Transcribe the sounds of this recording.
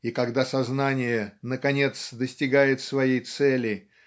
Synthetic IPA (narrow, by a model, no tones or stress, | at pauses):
ikɐɡd̪asɐznanʲɪjənəkɐnʲe̞t̪sd̪əsʲtʲɪɡajɪt̪svɐjejt̪sɛlʲɪj